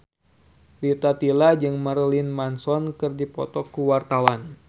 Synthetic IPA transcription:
rit̪at̪ilad͡ʒɨŋmaɾlinmansɔnkɨrdipɔ̰t̪ɔkuwart̪awan

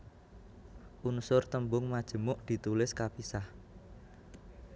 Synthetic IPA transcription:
ʔunsʊrt̪əmbʊŋmad̥ʒ̥ə̤mʊʔd̪̥i̤t̪ulɪskapisah

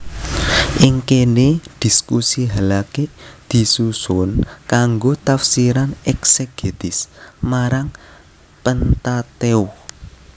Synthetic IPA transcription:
ʔɪŋkened̪̥i̤skusiɦalaked̪̥i̤susʊnkaŋɡot̪afsiɾanɛkseɡ̥et̪ɪsmaɾaŋ | pənt̪at̪eu

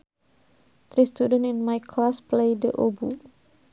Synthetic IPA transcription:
t̪ɾist̪udə̃nĩnmajkʰlasplejdə̰ʔobu

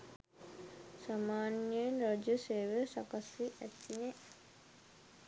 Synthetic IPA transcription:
samaːnjenɾod͡ʒəseːʋəsakasiʔæt̪ːine

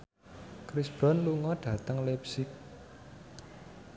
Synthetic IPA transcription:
kɾisb̥ɾɔnluŋɔɖ̥ä̤t̪əŋlɛpsɪk̚

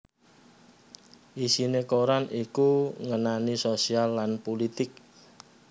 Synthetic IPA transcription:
ʔisinekoɾanikuŋənanisosialːanpolit̪ɪk̚

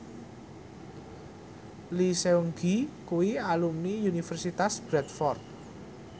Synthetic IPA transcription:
liseuŋɡikuwialumiunifɛrsit̪asb̥ɾɛt̪̚fɔrt̪̚

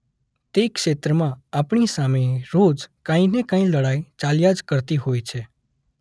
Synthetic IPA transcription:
t̪ekʃet̪ɾəmãapɳisameɾod͡ʒkãĩnekãĩləɽajt͡ʃaljad͡ʒkəɾt̪iɦojt͡ʃʰe

